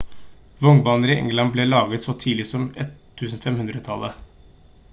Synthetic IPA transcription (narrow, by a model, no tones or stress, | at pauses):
ʋɔŋbɑːnəɾɪʔɛ̰ŋlɑnblelɑːɡət̪sɔt̪ʰiːlɪsɔmɛt̪ʰːʉːsn̩fɛmhʉnd̪ɾət̪ʰɑlːə